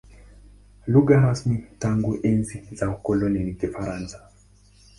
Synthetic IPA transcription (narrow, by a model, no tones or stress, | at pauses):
luɡaɦasmitaŋɡuʔɛnzizaukɔlɔninikifaɾansḁ